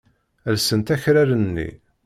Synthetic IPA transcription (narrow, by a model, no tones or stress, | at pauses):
əlsənt̪æçɾaɾənːḭ